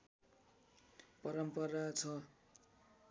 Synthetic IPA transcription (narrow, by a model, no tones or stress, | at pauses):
pʌɾʌmpʌɾat͡sʰʌ